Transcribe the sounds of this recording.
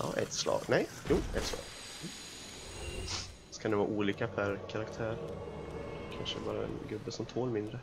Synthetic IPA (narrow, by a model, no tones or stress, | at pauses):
ʔɑ̰ːʔɛ̰t̪slɑ̰ːɡnɛj | juːɛ̰t̪slɑ̰ːɡ | skanɪvɑ̰ːʔuːliːkapʰæɾkʰaɾakt̪ʰæːɾ | kʰanʂəbɑːɾaɛ̰nɡɵbːəsɔmt̪ʰoːlmɪnd̪ɾə